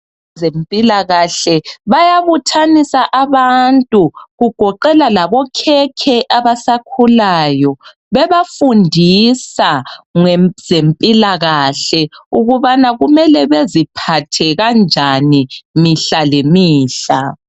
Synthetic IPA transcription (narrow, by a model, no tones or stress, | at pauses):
zempʼilaɣaɬɛβajaβutʰanisaʔaβantʼuɣuɡ̥ʱɔǃɛlalaβɔkʰɛkʰɛʔaβasakʰulaːjɔ | βɛβafundʱisaŋez̥empʼilaɣaɬɛuɣuβanaɣumɛlɛβezipʰatʰɛɣand͡ʒʱanimiɬalemiːɬa